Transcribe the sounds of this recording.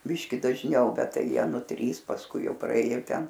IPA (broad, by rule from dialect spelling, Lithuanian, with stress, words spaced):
ˈbʲɪʃʲkʲɪ dɐʒʲˈnʲɛʊ ˈbʲɛt ˈtɐɪ ˈjiɛ ˈnʊ ˈtʲrʲiːs pɐsˈkʊɪ ˈjɛʊ prɐˈeːjoː ˈtʲɛn